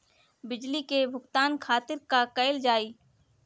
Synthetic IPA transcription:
bɪd͡ʒlikebʱʊɡt̪aːnkʰaːt̪ɪɾkakɐɪld͡ʒaːiː

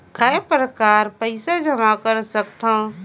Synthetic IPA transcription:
kʰaepɾəkaːɾpəɪsad͡ʒʱəmakəɾsəkt̪ã

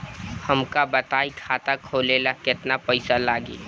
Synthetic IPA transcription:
həmkabət̪aːikʰaːt̪akʰoːlelakɪt̪napəɪsalaːɡḛː

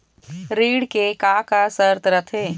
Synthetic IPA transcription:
ɾiːɽkekaːkasəɾt̪ɾɐt̪ʰeː

